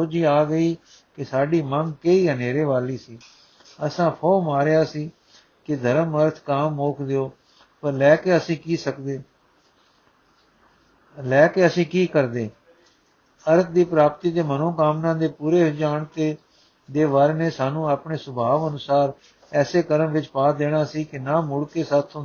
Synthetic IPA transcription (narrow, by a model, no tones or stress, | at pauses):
soːd͡ʒiːaːɡəiː | kɪsaːɖiːməŋɡkəiːɦəneːɾeːʋaːliːsiː | əsãːpʰoːmaːɾejaːsiː | kɪd̪ʱəɾəməɾt̪ʰkaːmːoːkʰd̪eoː | pəɾlɛːkeːəsĩːkiːsəkd̪eː | lɛːkeːəsĩːkiːkəɾd̪eː | əɾt̪ʰd̪iːpɾaːpt̪iːd̪eːmənõːkaːmnãːd̪eːpuːɾeːd͡ʒaːɳt̪eː | d̪eːʋaːɾeːneːsaːnũːaːpɳeːsʊbʱaːʋənʊsaːɾ | ɛːseːkəɾəmʋɪt͡ʃpaːd̪eːɽaːsiːkɪnaːmʊɽkeːsaːt̪ʰːõ